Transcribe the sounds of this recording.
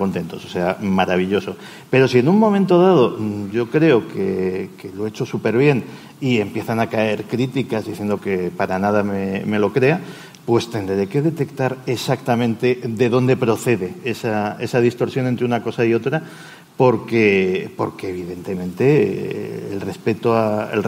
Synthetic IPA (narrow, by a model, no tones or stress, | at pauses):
ko̞nt̪e̞nt̪o̞so̥se̞amaɾaβiʎo̞so̞ | pe̞ɾo̞sie̞nuŋmõ̞ment̪o̞ð̞að̞o̞ɟ͡ʝo̞kɾe̞oke̞ke̞lo̞e̞t͡ʃo̞supe̞ɾβje̞n | ie̞mpje̞θanakae̞ɾkɾit̪ikazðiθje̞nd̪o̞ke̞paɾanað̞ameme̞lo̞kɾe̞a | pwe̞st̪e̞nd̪ɾe̞ke̞ðe̞t̪e̞kt̪aɾesak̚t̪amẽ̞nt̪e̞ðe̞ðo̞nd̪e̞pɾo̞θe̞ðe̞esae̞sað̞ist̪o̞ɾsjo̞nent̪ɾeunako̞saio̞t̪ɾa | po̞ɾke̞po̞̰ɾke̞ːβ̞iðe̞nt̪e̞mẽnt̪e̞ | ḛlre̞spe̞t̪oaḛl